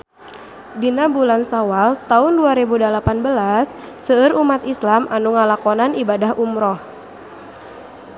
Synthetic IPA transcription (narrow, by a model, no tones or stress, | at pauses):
dinabulansawalt̪aʊnduaɾebudalapanbəlasː | əːɾumat̪islamʔanuŋalakɔnanibadahʔumɾɔh